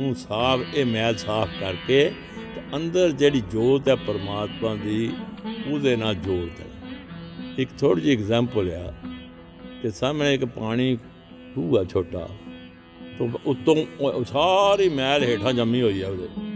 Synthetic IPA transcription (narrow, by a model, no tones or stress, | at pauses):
ũːsaːpʰeːmɛːlsaːpʰkəɾkeː | t̪eə̃nd̪əɾd͡ʒeːɽiːd͡ʒoːɾt̪ɛːpəɾmaːt̪mãːd̪iːʊd̪eːnaːd͡ʒoːɽt̪ɛ̰ː | ɪkt̪ʰoːɽiːsiːɪɡzɛ̃ːmpəlea̰ː | k̪eːsaːmẽːɪkpaːɽ̃iː | kuːaːt͡ʃʰoːʈa̰ː | t̪oːʊt̪ːõːsaːɾiːmɛːlɦeːʈʰãːd͡ʒəmːĩːɦoːiːɛːʊd̪ḛː